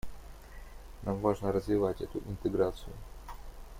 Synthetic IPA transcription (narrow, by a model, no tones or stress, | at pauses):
namvaʐnəɾəzvʲɪvatʲɛt̪ʊ̰ʔɪnt̪ɨɡɾat̪sɨjʊ